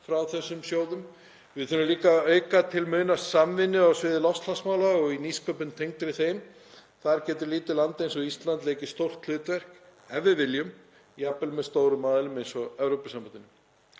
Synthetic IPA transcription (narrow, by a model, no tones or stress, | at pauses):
fɾawθɛsːʏmsjoːwðʏm | vɪðθʏnːʏliːkaœɥkat̪ʰɪlmʏːnasamvɪnːɪawsvɪːðɪlɔfst̪ʰlasmawlaɔɣiniskʰœpʏnt̪ʰejŋt̪ɾɪθejm | θaɾcɛːt̪ʏɾliːt̪ɪlant̪ejnsɔist̪lant̪lejcɪ̥st̪owr̥t̪ʰl̥ʏːt̪vɛr̥kɛvʏvɪljʏm | japɛlmɛðst̪oːwɾʏmːaːðɪlʏmejnsɔɛvɾowpɪsampanɪnʏm